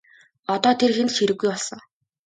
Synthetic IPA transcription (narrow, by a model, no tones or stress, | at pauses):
ɔt̪ɔːt̪ʰerxent̪xeɾɘ̆ɡːujɔɮsɞ̆ŋ